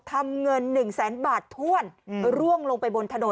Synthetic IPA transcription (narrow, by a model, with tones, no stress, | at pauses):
t̪ʰa˧mŋɤ˧nːɯ˨˩ŋsɛː˩˦nbaː˨˩t̪ʰːu˥˩ənɾu˥˩əŋloː˧ŋpa˧jbo˧nt̪ʰa˧no˨˩˦